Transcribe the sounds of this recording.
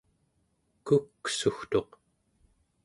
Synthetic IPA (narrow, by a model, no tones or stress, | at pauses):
kukːsuxt̪o̞q